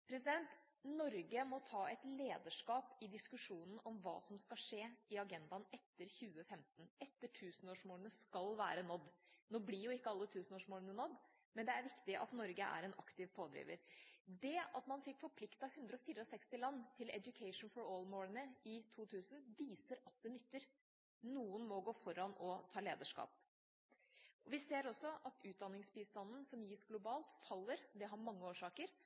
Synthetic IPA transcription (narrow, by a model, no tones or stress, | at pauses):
pʰɾɛsɪd̪ɛnt̪ | nɔɾɡəmɔt̪ʰɑːɛt̪leːd̪əʂkɑːpɪd̪ɪskʉʂuːnən̩ɔmʋɑ̰ːsɔmskɑlʂeːɪɑɡɛnd̪ɑnɛt̪ːəɾçʉːəfɛmt̪ənɛt̪ːəʈʰʉːsənoːʂmoːɾnəskɑlʋæ̰ːɾənɔd̪ːnoːblɪɾjʊɪkːəɑlːət̪ʰʉːsnoːʂmoːɾnənɔd̪ː | mɛnd̪ɛæɾʋɪkt̪ɪʔɑ̰t̪nɔɾɡəʔæ̰ɾɛnɑkt̪ɪʋpʰoːd̪ɾḭːʋə̰ɾd̪ɛɑt̪mɑnfɪkːfɔɾpʰlɪkt̪ɑhʉnd̪ɾəɔfiːɾəɔsɛkst̪ɪlɑnːt̪ʰɪlɛ̰d̪ʊkʰɛɪʂn̩fɔɾoːlmoːɾənəɪt̪ʰuːt̪ʰʉːsnʋiːsəɾɑt̪̚d̪ɛnʏt̪ːəɾ | nuːənmɔɡoːfɔɾɑnɔt̪ʰɑːleːd̪əʂkɑ̰ːp̚ | ɔʋɪseːɾɔsːɔʔɑt̪ʉːt̪̚d̪ɑnːɪŋsbist̪ɑnnsɔmjiːsɡlʊbɑːlt̪fɑlːəɾd̪ɛɦɑɾmɑŋːəoːʂɑːkəɾ